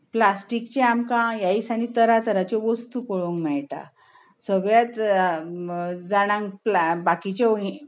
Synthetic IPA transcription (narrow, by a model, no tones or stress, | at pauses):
plasʈikt͡ɕẽamkãjaisañit̪əɾat̪əɾat͡ɕɔʋəst̪upɔɭoŋɡmɛɭʈa̰ | səɡɭjat̪ | d͡zaɽ̃ãŋɡplbakit͡ɕɔɦi